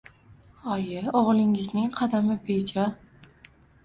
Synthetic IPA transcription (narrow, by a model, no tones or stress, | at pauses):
ɒjɪɒʁlˠɪŋɪznɪŋqʰɑd̪amɪbet͡ʃʰa